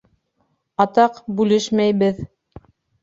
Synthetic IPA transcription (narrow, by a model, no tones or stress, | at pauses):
ɑt̪ɑqbʉlɘʃmæjβɘð